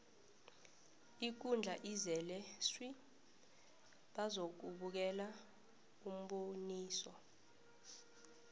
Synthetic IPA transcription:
ik̬und͡ɮʱaʔizɛlɛswi | ɓazok̬uɓuk̬ɛla | um̩ɓoniːsɔ

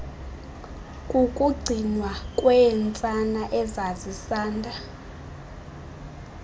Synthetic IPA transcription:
kʼukʼuɡ͡ǀʱinwakʼwɛnt͡sʼanaʔɛzazisaːndʱa

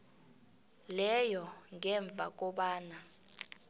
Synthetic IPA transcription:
lɛjɔŋɛɱb̪vʱa̰k̬ʼɔɓaːna

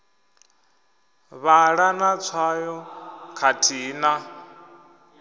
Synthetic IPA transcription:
βaɺanat͡sʰwajɔkʰatʰiːna

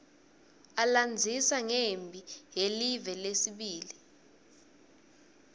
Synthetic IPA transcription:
aland͡zʱisaŋembʱiɦelivɛlesiɓiːli

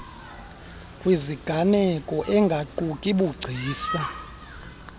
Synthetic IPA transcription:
kʼwiziɡ̥ʱanɛkʼɔʔɛŋɡʱaǃukʼiɓuɡ͡ǀʱiːsa

